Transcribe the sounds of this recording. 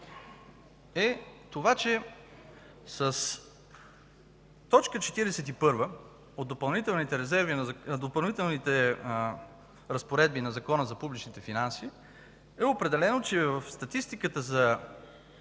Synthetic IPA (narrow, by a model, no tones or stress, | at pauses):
ɛt̪ovat͡ʃɛ | səs | t̪ɔt͡ʃkət͡ʃɛt̪iɾɛsɛt̪ipɤɾvə | ot̪̚d̪opɐlˠnit̪ɛlˠnit̪ɛɾɛzɛɾvind̪opɐlˠnit̪ɛlˠnit̪ɛ | ɾəspoɾɛd̪̚binɐzɐkɔnəzɐpublit͡ʃnit̪ɛfinansi | ɛopɾɛd̪ɛlɛnot͡ʃɛvəfst̪ɐt̪ist̪ikət̪əzɐ